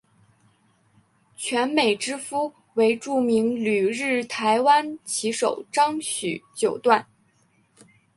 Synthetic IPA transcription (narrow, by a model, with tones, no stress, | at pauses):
t͡ɕʰɥɛ˧˥nme˨˩ɪʈ͡ʂɻ̩˥fu˥ | we˧˥ɪʈ͡ʂu˥˩mi˧˥ŋly˨˩ɻɻ̩˥˩t̪ʰa˧˥ɪwa˥nt͡ɕʰi˧˥ʂo˨˩ʊʈ͡ʂɑ˥ŋɕy̰˨˩t͡ɕjo˨˩ʊt̪wa˥˩n